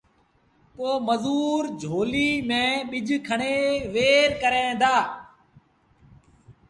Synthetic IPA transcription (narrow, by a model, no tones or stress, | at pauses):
poːməzuːɾd͡ʒʱoːliːmẽːɓɪd͡ʒʱkʰəɳeːʋeːɾkəɾẽːd̪aː